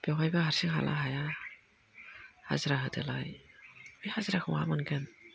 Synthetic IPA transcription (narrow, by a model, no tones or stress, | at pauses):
b̥jawɦajbahaɾsiɦa̰lʔa̰ɦaja | ha̰zɾaɦɯdɯlajbijhazɾakʰɯŋa̰mankan